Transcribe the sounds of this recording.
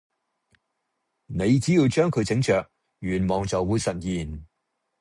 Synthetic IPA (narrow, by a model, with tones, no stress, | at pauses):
ne˨˧jt͡siː˨˥jiː˧wt͡ʃœː˥ŋkʰɵ˨˧ɥt͡sɪ˨˥ŋt͡ʃœː˨k̚ | jyː˨˩nmɔː˨˩ŋt͡sɐ˨wːuː˨˧jsɐ˨t̚jiː˨˩n